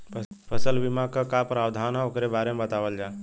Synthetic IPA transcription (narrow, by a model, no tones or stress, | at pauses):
pʰəsəlʋimakakapɾaːwd̪ʱaːnɦãokɾebaːɾemebət̪aːʋəld͡ʒaː